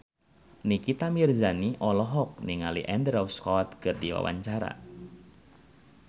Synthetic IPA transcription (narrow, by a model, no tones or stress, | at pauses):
nikit̪amirzaniʔɔlɔɦɔk̚niŋalḭʔɛndɾawskɔt̪kɨrdiwa̰wa̰ɲt͡ʃaɾa̰